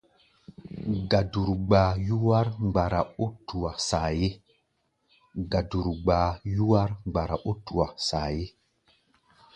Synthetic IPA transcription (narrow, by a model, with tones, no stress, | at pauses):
ɡa˨du˨ɾɡ͡baː˨ju˦wa˦ɾɡ͡ba˨ɾa˨o˦tu˨wa˨saː˨je˦ | ɡa˨du˨ɾɡ͡baː˨ju˦wa˦ɾŋ͡mɡ͡ba˨ɾa˨ʔo˦tu˨wa˨saː˨je˦